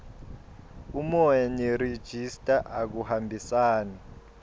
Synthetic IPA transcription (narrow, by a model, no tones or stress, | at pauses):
umɔjɛnired̥ʒ̥ʱistʼaʔak̬uhambʱisaːna